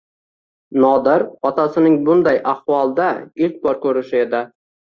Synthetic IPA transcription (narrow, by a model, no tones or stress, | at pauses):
nɒd̪ɪɾɒt̪ʰasɪnɪŋbʊnd̪ajʔahvɒlˠd̪aɪlk̚ʲbɒɾkʰɵɾɪʃɪe̞d̪ɪ